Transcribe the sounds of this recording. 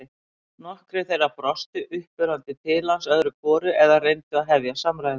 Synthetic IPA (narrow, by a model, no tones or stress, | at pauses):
ɪ | nɔhkɾɪθejrapɾɔst̪ʏʔʏhpʏɾant̪ɪt̪ʰɪlansœðɾʏkʰvɔːɾʏɛðarejnt̪ʏaðɦɛvjasamɾajð